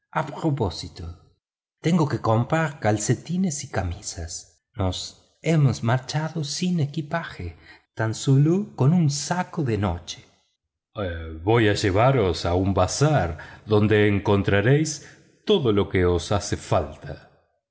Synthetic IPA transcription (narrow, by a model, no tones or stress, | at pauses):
apɾoposit̪o | t̪eŋɡokeko̞mpɾaɾkalset̪inesikamisas | nos | emosmaɾt͡ʃaðosinekipaxet̪ansuluko̞nunsakoðeno̰t͡ʃe̥ | βo̞jaʒeβaɾosaumbasaɾðo̞nd̪eːŋko̞nt̪ɾaɾejs | t̪oðolo̞keosasefalt̪ʰa